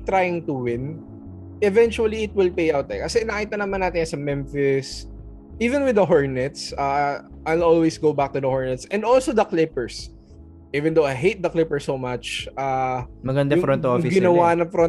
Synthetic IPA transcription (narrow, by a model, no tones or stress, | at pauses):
t̪ɾajɪŋt̪ʊwɪ̃n | ʔɛvɛnt͡ʃuɐliɪt̪̚wɪlpejʔawt̪ɛkɐsɛnɐɐkiːt̪ɐnɐmanːaːt̪ɪnɐsɐmɛmfɪs | ʔiːvɛ̃nwɪd̪ɐɦoɹnɛt̪sa | ʔajlolwesɡowbak̚t̪ʊd̪ɐhoɹnɛt̪sɛ̃nd̪olsod̪ɐklɪpɛɹs | ʔivɛ̃nd̪owajɦejt̪̚d̪ɐklɪpəɹsomɐt͡ʃʔamɐɡɐnd̪ɐʊfɾɔnt̪oŋfɪɡɪnɐwanɐfɾɔn